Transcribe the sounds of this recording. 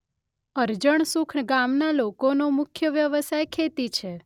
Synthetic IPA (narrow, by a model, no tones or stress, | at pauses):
əɾd͡ʒəɳ̃sukʰɳɡamnalokonomʊkʰjəʋjəʋəsajkʰet̪it͡ʃʰe